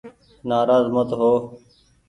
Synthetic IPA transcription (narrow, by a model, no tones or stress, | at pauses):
naːɾaːzmət̪ɦoː